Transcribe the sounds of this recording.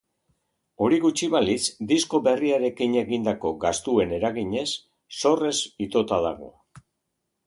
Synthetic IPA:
o̞ɾiɣut͡ʃiβalisd̪isko̞βe̞riaɾe̞kiɲe̞ɣind̪ako̞ɡast̪ue̞ne̞ɾaɣiɲe̞sː | o̞re̞sit̪o̞t̪aða̰ɣ̞o̞̰

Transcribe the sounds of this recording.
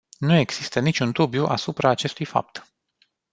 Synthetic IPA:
nue̞ɡz̥ist̪ənit͡ʃunt̪ubjuʔa̰supɾaːt͡ʃe̞st̪ujfa̰p̚t̪

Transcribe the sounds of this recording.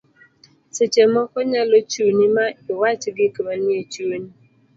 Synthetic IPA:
t͡ʃet͡ʃemɔkɔɲalot͡ʃunimaɪwat͡ʃɪɡɪkibaniet͡ʃuni

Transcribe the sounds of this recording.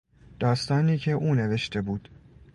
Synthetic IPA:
d̪̥ɒːst̪ɒːniːcʰe̞ʔuːne̞ve̞ʃt̪ʰe̞buːd̪̥

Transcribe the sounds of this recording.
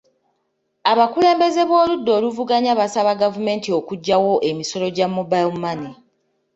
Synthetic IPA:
aβakule̞ːmbe̞ze̞βwo̞ːludːo̞ːluvuɡaɲaβasaβaɡavume̞ːntio̞kuɟːawo̞ʔemiso̞lo̞ɟamubalmani

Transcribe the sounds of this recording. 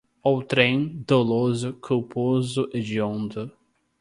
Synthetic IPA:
owt̪ɾẽd̪̥olozʊkʰowpʰozʊʔɪd͡ʒiõnd̪ʊ

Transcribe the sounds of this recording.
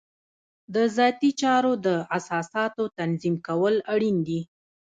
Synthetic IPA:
d̪əzɑt̪it͡ʃɑɾod̪əasɑsɑt̪ot̪anzimkawəlaɽind̪i

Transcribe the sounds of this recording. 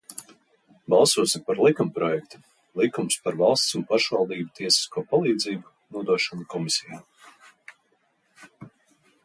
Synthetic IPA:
bɑlˠsuɔsimpaɾlˠikumpɾɔjɛkt̪u̥ | lˠikumspaɾvɑlˠst̪sunpaʃvɑlˠd̪iːbut̪ʰiɛsi̥skuɔpalˠiːd̪ziːbu | nuɔd̪uɔʃɔnukɔmisʲijaː

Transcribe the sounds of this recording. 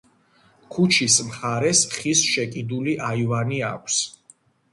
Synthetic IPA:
kʰut͡ʃʰismχaɾɛsχisʃɛkʼid̪uliʔaivaniakʷʰs

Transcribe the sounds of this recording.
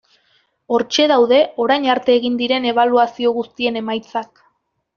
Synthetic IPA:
o̞ɾt͡ʃe̞ð̞awðe̞o̞ɾajɲaɾt̪e̞ːɣind̪iɾe̞ne̞β̞aluasio̞ɣust̪ie̞ne̞majt͡sak

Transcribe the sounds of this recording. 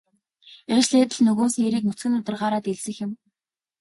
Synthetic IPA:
et͡ɕɮeːt̪ə̆ɮnɵɣoːseɾiːk̚nɵ̥t͡sɡɘ̆nʊt̪ə̆rɢaːɾaːt̪eɮsɘ̆xjɪ̆m

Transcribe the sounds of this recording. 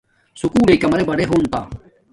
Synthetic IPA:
sʊkuːleikɐmɾebɐɽeɦuːnt̪aː

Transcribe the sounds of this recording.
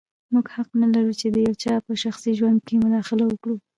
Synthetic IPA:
muɡhaqnalaɾut͡ʃed̪əjawt͡ʃɑpəʃaxsiʒwand̪̚kemʊd̪ɑxɪlawəkɽu

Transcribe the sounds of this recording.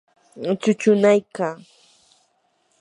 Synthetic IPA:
t͡ʃʊt͡ʃʊnajkaː

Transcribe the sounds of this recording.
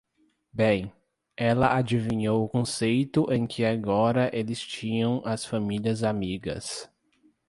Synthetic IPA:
bẽj̃ | ɛlɐʔad͡ʒivĩɲowʊkõsejt̪ʊʔẽj̃kʰɪaɡɔɾɐʔelɪst͡ʃĩɲɐ̃w̃ʔɐsfãmiliɐzamiɡɐ̰s

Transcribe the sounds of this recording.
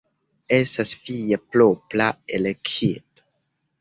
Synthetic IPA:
esasfijaploplaelekʰit̪o̥

